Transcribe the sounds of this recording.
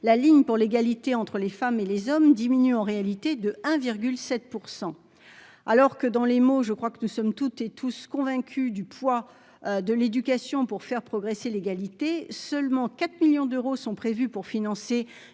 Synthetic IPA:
laliɲpuʁleɡalit̪eɑ̃t̪χəlefamelezɔmd̪iminyɑ̃ʁealit̪ed̪əɛ̃viʁɡʲylsɛt̪̚puʁsɑ̃ | alɔʁkəd̪ɑ̃lemoʒəkχwakənusɔmt̪ut̪et̪ʰuskɔ̃vɛ̃kʲʰyd̪ypwa | d̪əled̪ykasjɔ̃puʁfɛʁpχɔɡʁeseleɡalit̪esœlmɑ̃kat̪miljɔ̃d̪øʁosɔ̃pχevypuʁfinɑ̃se

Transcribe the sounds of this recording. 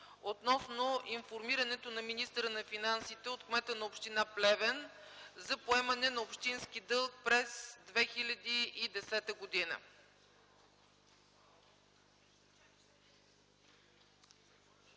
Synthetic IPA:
ot̪nɔsnoʔinfoɾmiɾɐnɛt̪onɐminist̪əɾənɐfinansit̪ɛot̪kmɛt̪ənɐopʃt̪inaplɛvɛn | zɐpoɛmɐnɛnɐopʃt̪inskid̪ɤlˠk̚pɾɛzd̪vɛxilʲɐd̪iːd̪ɛsɛt̪əɡod̪inə̰

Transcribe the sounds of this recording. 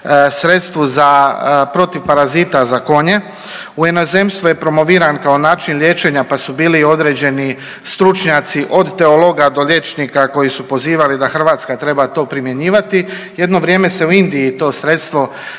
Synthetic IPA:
sɾe̞t̪st̪ʋuzapɾo̞t̪iʋpaɾazit̪azako̞ɲe̞ | ujeno̞ze̞ːmst̪ʋuje̞pɾo̞mo̞ʋiːɾankao̞naːt͡ʃinlje̞ːt͡ʃe̞ɲapasubiːlio̞d̪ɾe̞ːd͡ʑe̞ni | st̪ɾut͡ʃɲat̪siʔo̞d̪t̪e̞olˠo̞ɡad̪o̞ʎje̞t͡ʃnikako̞jisupo̞ziːʋalid̪axr̩ʋaːt̪skat̪ɾe̞bat̪o̞ːpɾimje̞ɲiːʋat̪i | je̞d̪no̞ʋɾjeːme̞se̞uind̪ijit̪o̞ːsɾe̞t̪st̪ʋo̞

